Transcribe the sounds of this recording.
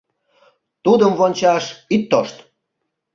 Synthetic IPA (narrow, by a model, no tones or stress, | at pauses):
t̪ud̪əmvonʲt͡ɕɑʃit̪ːoʃt̪